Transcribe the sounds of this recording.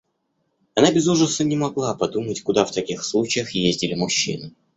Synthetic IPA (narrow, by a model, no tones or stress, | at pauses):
ɐnabʲɪzuʐəsənʲɪmɐɡlˠapɐd̪umətʲkʊd̪aft̪ɐkʲixslˠut͡ɕɪjəxjezʲdʲɪlʲɪmʊɕːḭnɨ